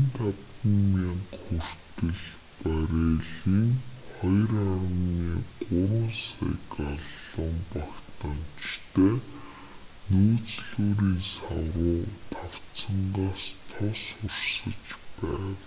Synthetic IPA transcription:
nt̪at̪ | ə̆nmaŋkxur̥t̪ɘ̆ɮ | pæɾeːɮiːŋχɔjraɾə̆nniːqʊɾwʊːnsa̰jkaɮ | ə̆mpakt̪pan̥t͡ɕt̪ʰeː | noːt͡sɮuːɾiːnsa̰ɾʊːt̪ʰaw̥t͡sə̆ɴɢaːst̪ʰɔsʊrsə̆t͡ɕpæːw

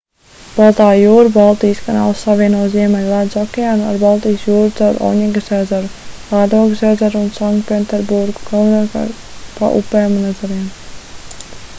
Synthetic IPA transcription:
b̥alˠt̪aːjuːɾubalˠt̪iːjskana̰ːlˠsːaviɛnuɔziɛmɛlʲlˠad̪sɔkʲeaːnua̰ɾbalˠt̪ijsjuːɾuzawɾʔɔ̰wɲʲiŋɡəsazaɾulaːd̪ɔɡsɛːd̪zaɾunsaŋkt̪pʲɛnt̪ɛɾbuɾɡu̥ɡalˠnaka̰ | pa̰ʔṵpɛːmunɛd̪zaɾim

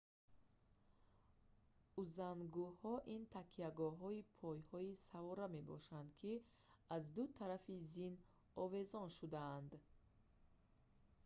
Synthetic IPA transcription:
uzanɡuhɔʔint̪ʰakʰiaɡɔɦɔipʰɔjhɔisavɔɾame̞bɔ̰ʃand̪kʰi | azd̪ut̪ʰaɾafizin | ɔve̞zɔnʃud̪aːnd̪

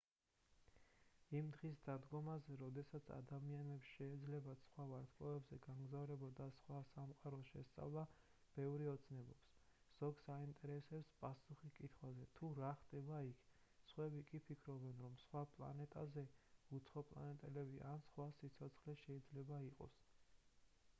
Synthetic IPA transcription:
imd̪ʁis̬d̪ad̪ɡɔmazɛɾɔd̪ɛsat̪sʰa̰d̪amianɛpsʃɛid̪zlɛbat̪sχwavaɾt̪ʰkʼɔɛbzɛɡamɡzavɾɛbɔd̪asχwasamqʼaɾɔʃɛst̪sʼa̰vlˠa | b̥ɛvɾiɔt̪sʰnɛbɔps | z̥ɔɡsaint̪ʼɛɾɛsɛpspʼasuχikʼit̪ʰχwazɛt̪ʰuɾaχt̪ʼɛbaikʰ | sχwɛbikʼipʰikʰɾɔbɛnɾɔmsχwapʼlˠa̰nɛt̪ʼazɛut̪sʰχɔpʼlˠa̰nɛt̪ʼɛlɛbiʔansχwasit̪sʰɔt̪sʰχlɛʃɛid̪zlɛbaiqʼɔ̰s

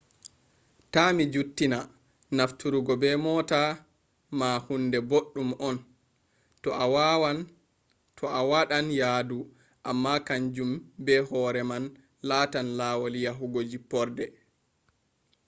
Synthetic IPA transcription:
tamid͡ʒutːina | naftuɾuɡɔbɛmɔːta | mahundɛboɗːumɔn | tʰɔawaɗanjaːdu | ʔamːakaɲd͡ʒumbɛɦɔɾɛman | laːtanlaːwolijaɦuɡod͡ʒipɔɾdɛ

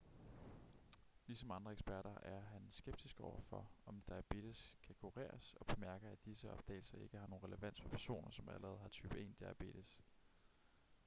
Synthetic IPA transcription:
lisɒ̽mɑ̈nd̥ʁɐeɡ̥sb̥æɐɾɐæɐɦænsɡ̥eb̥̚d̥isɡ̥ɒʊ̰ɐfɒ̽ɒ̽md̥ɑæb̥e̝̰ːd̥eskʰækʰuʁḛːɐsɒ̽b̥e̝mæɐɡ̥ɐæd̥isəɒ̽b̥̚d̥ɛ̰ɪl̩sɐe̝ɡ̥əhɑ̈no̝ːn̩ʁɛləʋæn̰dsfɒpʰæɐso̝̰ːnɐsɒ̽mæ̰lɐʁɛːð̞̩ˠɦɑ̈t͡sʰyːb̥əe̝̰ːnd̥iæb̥e̝̰ːd̥es

